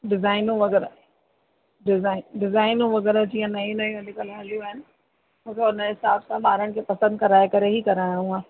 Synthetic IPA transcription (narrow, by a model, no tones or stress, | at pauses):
ɖɪzaːɪnũʋɐɣɛːɾa | ɖɪzaːɪnɖɪzaːɪnũʋɐɣɛːɾad͡ʑiːãnɐĩnɐĩɐdɪkəlɦɐljũaɦɪnɪ̆ | moːkʰeʊnəɦɪsaːbsãɓaːɾəɽ̃kʰepɐsə̃nd̪̚kɐɾaːekɐɾeɦikɐɾaːjũaː